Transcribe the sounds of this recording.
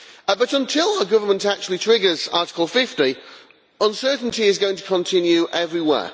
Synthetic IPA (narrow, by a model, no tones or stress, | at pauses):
bʌɾə̃ntʰɪlˠaʊəɡʊvəmə̃ntak̚t͡ʃuəlˠitʰɹ̥ɪɡəzɑˑtɪ̥kəlˠfɪfti | ə̃nsɜˑʔn̩tiɪzɡoʊɪ̃ŋtʰə̥kʰə̃ntʰɪ̃njʉʔɛvɹiwɛ̰ː